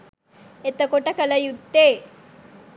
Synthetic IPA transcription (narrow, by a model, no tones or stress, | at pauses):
et̪əkoʈakələjud̪ːe